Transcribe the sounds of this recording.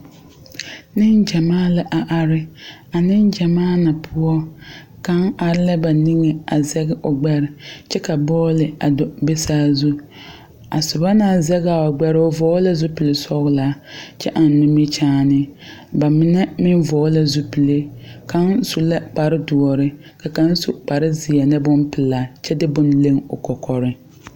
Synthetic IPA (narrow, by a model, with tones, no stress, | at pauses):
nɪ˦nd͡ʒa˨maː˦la˨ʔa˨ʔa˨ɾɪ˦a˨nɪ˦nd͡ʒa˨maː˦na˨pʰʊ˦ɔ˦ka˦ŋa˨ɾɪ˦la˦ba˨ni˦ŋe˨a˨zɛ˦ɣɪ˦ʔʊ˨ɡ͡bɛ˦ɾɪ˨t͡ʃɛ˦ka˨bɔː˦lɪ˨a˨dɔ˨be˦saː˦zu˦ | a˨sʊ˨ba˦naː˦˨zɛ˦ɣa˨a˨ɡ͡bɛ˦ɾɪ˦ʊ˦vɔː˨˦la˦zu˦pɪ˨le˨sɔ˦ɣʊ˦la˨˦t͡ʃɛ˦ʔa˨n˨nʊ˦mɪ˦t͡ʃaː˦nɪ˦ba˨mɪ˦nɛ˦mɪ˦n˦vɔː˨˦la˦zu˦pi˨le˦ka˦nsu˨la˦k͡pa˨ɾɪ˦du˨ɔ˨ɾɪ˦ka˨ka˦n˦su˦˨k͡pa˨ɾɪ˦zɪ˨a˨nɛ˦bʊ˦npɪ˨laː˨˦t͡ʃɛ˦dɪ˦bʊ˦nle˦ŋʊ˨kɔ˨kʰɔ˨ɾɪ˦